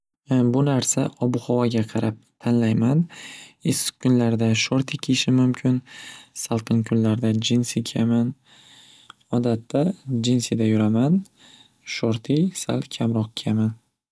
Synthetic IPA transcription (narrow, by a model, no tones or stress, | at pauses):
bʊnaɾsaʔɒbʊhɒvaɡʲaqʰɑɾʔap̚t̪ʰanlajmanɪskʰːʊnlaɾd̪aʃoɾt̪ʰikʲʰeʃɪmʊmkʲʰɪnsalˠqʰɨnkʰʊnlaɾd̪ad͡ʒɪnsikʲʰaman | ɒd̪at̪ʰːad͡ʒɪnsɪd̪ajʊɾaman | ʃoɾt̪ʰijsa̰lˠkʲʰamɾɒq̚kʲʰeaman